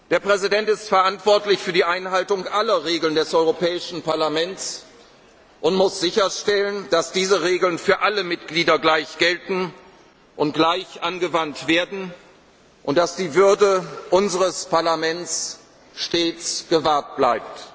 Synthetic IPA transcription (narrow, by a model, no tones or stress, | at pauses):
d̥eːɐpʁ̥ɛzidɛntɪstfɛɐʔantv̥ɔɐtlɪçfyːɐdiːʔaɪnɦaltʊŋʔalɐʁeːɡl̩ndɛsʔɔʏʁopɛːɪʃn̩paɐlamɛnt͡s | ʔʊntmʊsz̥ɪçɐʃtɛlənd̥asd̥iːzəʁeːɡl̩nfyːɐʔaləmɪtɡ̥liːdɐɡlaɪçɡ̥ɛltn̩ | ʔʊnt̚ɡ̥laɪçʔanɡəvantv̥eːɐdn̩ | ʔʊnt̚d̥asd̥iːvʏɐdəʔʊnzəʁəspʰaɐlamɛnt͡s | ʃteːt͡sɡ̥əvaɐt̚b̥laɪp̚t